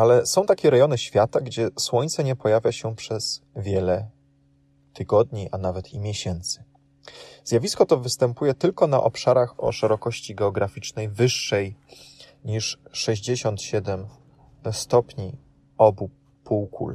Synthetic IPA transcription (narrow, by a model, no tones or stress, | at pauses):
alɛsɔ̃w̃t̪akʲɛɾɛjɔnɘɕfʲjat̪aɡd͡ʑɛswɔɲt̪sɛɲɛpɔjavʲjaɕɛpʂɛz̥ | vʲjɛlɛ | t̪ʰɘɡɔd̪ɲiʔanavɛt̪ʰimʲjɛɕɛnt̪sɘ̥ | zʲjavʲiskɔt̪ɔvɘst̪ɛmpujɛt̪ɘlkɔn̪a̰ʔɔpʂaɾaxɔ̰ʂɛɾɔkɔɕt͡ɕiɡɛɔɡɾafʲit͡ʂnɛjvɘʂːɛj | ɲiʂʂɛʑd͡ʑeɕɔnt̪ɕɛd̪ɛm | st̪ɔpɲi | ɔbu | puwkṵl